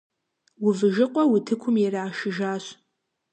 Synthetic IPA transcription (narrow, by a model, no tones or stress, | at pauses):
wʊvɨʒɪqʷʼɔwitʰɨkʷʰʊmjɛraːʃɪʒaːɕ